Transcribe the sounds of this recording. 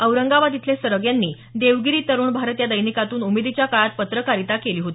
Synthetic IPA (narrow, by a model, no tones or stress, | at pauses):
əʋɾəŋɡaʋad̪it̪ʰlesəɾəɡjanːiː | d̪eʋɡiɾiːt̪əɾuːɳbʱaɾət̪jad̪əjnikat̪uːnumed̪it͡ɕjakaɭat̪̚pət̪ɾəkaɾit̪akeliːɦot̪i